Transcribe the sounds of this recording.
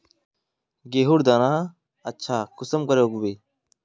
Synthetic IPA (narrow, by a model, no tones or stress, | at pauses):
ɡeːɦuɽd̪aːnaː | ɐtːɕʰaːkusɐmkɐɾeoɡubeː